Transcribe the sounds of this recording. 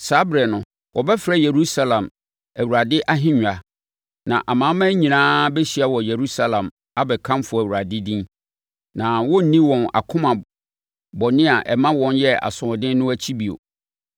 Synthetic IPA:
sa˨˦bɾɛ˨nʊ̃˨ | wʔɔ˨bɛ˦fɾɛ˦je˨ɾu˦sa˦lã˨m | æ˨wu˨ɾa˨dɪ˦ʔa˦ɦɪ̃˦ɲᶣʊ̃˨a˨ | nã̰˨ʔa˨mã˨˦mã˦ɲĩ˨nãː˦bɛ˦ɕi˨a˨wɔ˨je˨ɾu˦sa˦lã˨m | a˦bɛ˨kʰã˦mfʊ˨æ˨wu˨ɾa˨dɪ˦dĩ˦n | nã˨wɔ˦n̩˨nĩ˦wɔ̃˨na̰˨kʰʊ̃˦mã˨ | bɔ˨nɪ̃˦a˨ʔɛ˨mã˦wɔ̃˨njɛ˦a̰˨sʊ̃˨ɔ˨dɪ̃˦n˦nʊ̃˦æ˦t͡ɕʰi˦bi˨o̰˨

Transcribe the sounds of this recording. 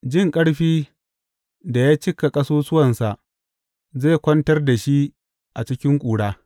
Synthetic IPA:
d͡ʒɪ˦ŋkʼɐ˦ɽɸiː˦ | da˨jaː˦t͡ʃɪ˦ka˨kʼɐ˦soː˦sʊ˦wɐ˨nsa˨ʔ | zeː˦˨kʷɔ˦ntɐ˦rda˨ʃi˦ | ʔa˨t͡ʃɪ˦kʲɪ˦ŋkʷʼuː˨ɽaː˦

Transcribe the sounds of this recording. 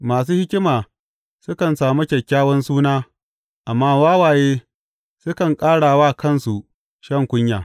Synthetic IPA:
maː˨s̬uː˦hɪ˦kʲɪ˦maː˨ | sʊ˦kɐ˨nsaː˨mu˦kʲɐ˨kʲːaː˦wɐ˦nsuː˦naː˦ | ʔa˨mːaː˦waː˦waː˨jeː˦ | sʊ˦kɐ˨ŋkʼaː˦ɽaː˨waː˦kʰɐ˦˨nsu˨ | ʃɐ˦˨ŋkʷʊ˦ɲja̰ː˨

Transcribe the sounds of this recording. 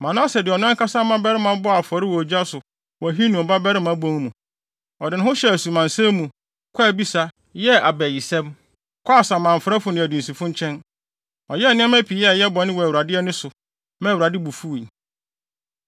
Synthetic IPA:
mã˨nã˦sɛ˨dɪ˨ɔ˨ñ˦ŋ˦kʰa˦sa˦mã˦bɛ˦ɾɪ˦mã˦bɔ˦a˨fɔ˨ɾɪ˦wɔ˨d͡ʑᶣa˦sʊ˨ | wɔ˨ɦi˦nũ˨m˨ba˦bɛ˦ɾɪ˦mã˦bɔ̃˦n˦mũ˨ | ɔ˨dɪ˨nʊ̃˦ʊ̃˦ɕɛ˦æ˨su˨mã˨nsɛ̃˦mũ˨ | kʷʰa˦˨bi˦sa˦ | jɛ˦a˨bɛ˨ji˨sɛ̃˦m | kʷʰɔ˦a˨sa˨mã˨fɾa˦fʊ˨nɪ̃˨æ˨dũ˨n̩˨si˨fʊ̃˦ɲ˦t͡ɕʰɛ̃˦n | ɔ˨jɛ˦˨nɪ̃˦ɛ̃˦mæ̃˦pʰi˨jɛ˦˨jɛ˦bɔ̃˨˦nɪ̃˦wɔ˨wu˨ɾa˨dɪ˦ɛ˦nʊ̃˦sʊ˨ | mɛ̃˦˨wɾa˨dɪ˦bu˨fu˦˨i˨

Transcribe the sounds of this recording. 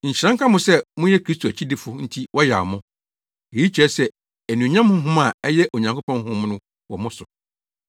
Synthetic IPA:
ɲ̩˨t͡ɕʰɪ˨ɾã˦ŋkʰã˦mʊ̃˨sɛ˦mʊ̃˦jɛ˦kʰɾi˦stʰo˨æ˨t͡ɕʰi˦dɪ˨fʊ˨n̩˦tʰi˦wʔɔ˦ja˨ɔ˨mʊ̃˦ | e˨ji˦t͡ɕʰᶣɛ˦sɛ˦ | ɛ˨nĩ˨ɲã˦mʊ̃˦ɦʊ̃˦ma˨ɛ˦jɛ˦ʔo˨ɲã˨ŋkʰo˦pʰɔ̃˦n˦hʊ̃˦m˦nʊ̃˦ | wɔ˨mʊ̃˦sʊ˨

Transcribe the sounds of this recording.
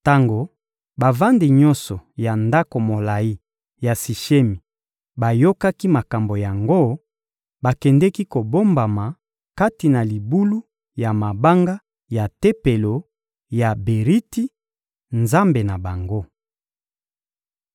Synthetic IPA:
ta˦ŋɡo˨ | ba˨va˦ndi˨ɲɔ˦nsɔ˨ja˨nda˦ko˨mo˨la˨i˦ | ja˨si˨ʃe˦mi˨ | ba˨jo˦ka˦ki˦ma˨ka˨mbo˨ja˨ŋɡo˦ | ba˨kɛ˨ndɛ˦ki˦ko˨bo˦mba˨ma˨ | ka˦ti˨na˨li˨bu˦lu˦ | ja˨ma˨ba˦ŋɡa˦ | ja˨te˦pe˨lo˨ | ja˨be˨ʁi˦ti˦ | nza˦mbe˨na˨ba˨ŋɡo˦

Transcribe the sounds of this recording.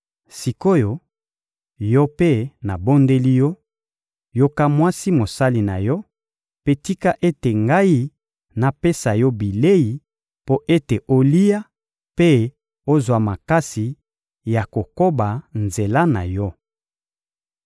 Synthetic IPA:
si˨ko˦jo˨ | jɔ˦pe˦na˨bo˦nde˦li˦jɔ˦ | jo˦ka˦mwa˦si˦mo˨sa˦li˨na̰˨jɔ˦ | pe˦ti˦ka˦ʔe˦te˨ŋɡa˦i˦ | na˨pe˦sa˨jɔ˦bi˨le˦ji˨ | po˦ʔe˦te˨ʔo˦li˦ja˦ | pe˦ | o˦zwa˨ma˨ka˦si˨ | ja˨ko˨ko˦ba˨nze˨la˦na̰˨jɔ˦

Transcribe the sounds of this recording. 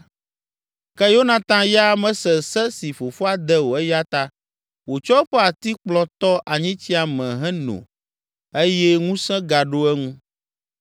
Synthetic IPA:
kɛ˦jo˦nã˨t̪ã˦ja˦mɛ̃˦sɛ˨sɛ˦si˨fo˨fo˦a˦d̪ɛ˦wo˨ɛ˦ja˦t̪a˦ | wo˨t͡ʃɔ˦ɸɛ˦a˨t̪i˦k͡plɔ̃˦t̪ɔ˦ʔa˨ɲĩ˦t͡ɕi˦a˨mɛ̃˨ɦɛ̃˦nõ̰˨ | e˦jɛ˦ŋũ˦sɛ̃˦ɡa˨ɖo˦ɛ˦ŋũ˦

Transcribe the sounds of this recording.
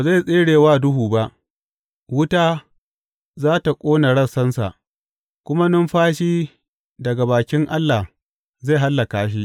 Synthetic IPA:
ba˨za˦˨sʼeː˦ɽeː˨waː˦dʊ˦ɦuː˨ba˦ʔ | wʊ˦taː˦ | zaː˦ta˨kʷʼoː˦na˨ɽɐ˦sɐ˦nsa̰˨ʔ | kʷʊ˦ma˦nʊ˦mɸaː˦ʃiː˦ | dɐ˨ɡa˨baː˨kʲɪ˦ŋʔa˦lːa˨ | za˦˨ɦa˦lːa˨kaː˨ʃ̬i˦ʔ

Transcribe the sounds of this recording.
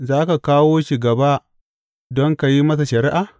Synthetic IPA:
zaː˦ka˨kaː˦woː˦ʃiː˨ɡɐ˨ba˦ | dɔ˦ŋka˨ji˦mɐ˦s̬a˨ʃɐ˨ɾɪ˦ʔa˨

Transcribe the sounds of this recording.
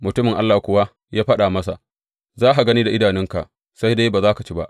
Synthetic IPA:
mʊ˨tʊ˦mɪ˨ŋʔa̰˦lːaː˨hkʷʊ˦wa˦ | jaː˦ɸɐ˦ɗaː˨mɐ˦sa̰˨ | zaː˦ɦa˨ɡɐ˦niː˦da˨ʔɪ˦daː˨nɪ˦ŋka˨ | sa˦jdaː˦jbaː˨zaː˦ka˨t͡ʃiː˦ba̰˦ʔ

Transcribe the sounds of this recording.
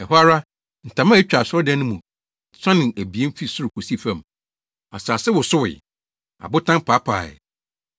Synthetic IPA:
ɛ˨ɦɔ˦a˦ɾa˦ | n̩˨tʰã˨mã˦ɛ˦t͡ɕᶣa˨sɔ˦dɛ̃˦nːʊ̃˦mũ˨ | sã˦nɪ̃˨næ˨bi˨e˦m̩˦fi˦sʊ˦ɾʊ˨kʰo˨si˦˨fɛ̃˦˨m | a˨sa˨sɛ˦wʊ˨sʊ˦wɪ̰˨ | a̰˨bʊ˦tʰã˦mpʰaː˨˦pʰa̰ː˨ɛ̰˨

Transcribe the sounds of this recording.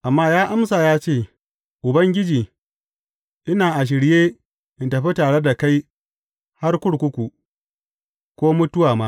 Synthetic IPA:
ʔa˨mːaː˦jaː˦ʔa˦msaː˨jaː˦t͡ʃeː˦˨ | ʔʊ˨bɐ˦ŋɡʲɪ˦d͡ʒiː˨ | ʔɪ˦naː˨ʔa˨ʃ̬ɪ˨ɽjeː˦ | ʔɪ˨ntɐ˨ɸi˦taː˨ɽe˦da˨ka˦j | ha˦rkʷʊ˦ɽkʷʊ˦kʷu˨ | kʷoː˦mʊ˦tʊ˦waː˨maː˦

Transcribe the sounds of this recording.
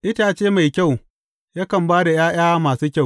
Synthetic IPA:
ʔɪ˦ta˨t͡ʃeː˦ma˨jkʲa˦˨w | ja˦kɐ˨mbaː˦da˨jaː˦j̰aː˦maː˨suː˦kʲa˦˨

